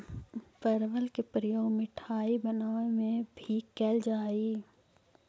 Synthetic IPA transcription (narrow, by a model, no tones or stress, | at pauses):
pəɾʋəlkepɾəjoːɡmɪʈʰaːibənaːemẽbʱikɛːld͡ʒaːi